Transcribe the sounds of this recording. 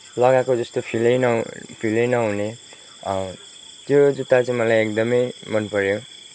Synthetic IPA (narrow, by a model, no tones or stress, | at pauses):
lʌɡakod͡zʌst̪opʰilʌjnʌpʰilʌjnʌɦune | t̪jod͡zut̪ːat͡saĩmʌlajek̚d̪ʌmʌjmʌnpʌɾjo